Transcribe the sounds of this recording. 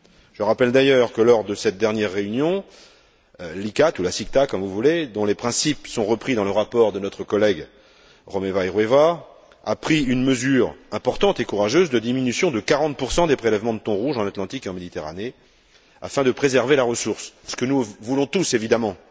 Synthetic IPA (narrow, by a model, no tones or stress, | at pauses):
ʒ̥əʁapɛld̪ajœʁkəlɔʁd̪əsɛt̪̚d̪ɛʁnjɛʁːeynjɔ̃ | likat̪ulasik̚t̪akɔmvuvuled̪ɔ̃lepχɛ̃sipsɔ̃ʁəpχid̪ɑ̃ləʁapɔʁd̪ənɔt̪χəkɔlɛɡ | ʁɔmevajʁweva | apχiynməzyːʁɛ̃pɔʁt̪ɑ̃t̪ekuʁaʒøzd̪əd̪iminysjɔ̃d̪əkaʁɑ̃t̪̚puʁsɑ̃d̪epχelɛvmɑ̃d̪ət̪ɔ̃ʁuʒɑ̃nat̪lɑ̃t̪ikeɑ̃med̪it̪eʁa̰ne | a̰fɛ̃d̪əpχezɛʁvelaʁəsuʁssə̥kənuvulɔ̃t̪usevid̪amɑ̃